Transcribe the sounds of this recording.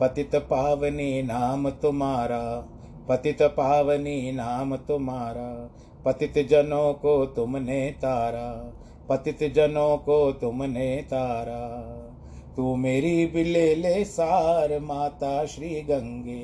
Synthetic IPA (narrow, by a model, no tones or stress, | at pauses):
pɐt̪it̪paːʋɐniːnaːmt̪umaːɾaː | pɐt̪it̪ɐpaːʋɐniːnaːmt̪umaːɾa | pɐt̪it̪d͡ʒɐnoːkoːt̪umneːt̪aːɾa | pɐt̪it̪d͡ʒɐnoːkoːt̪umneːt̪aːɾa | t̪uːmeːɾiːbileːleːsaːɾmaːt̪aːʃɾiːɡɐŋɡeː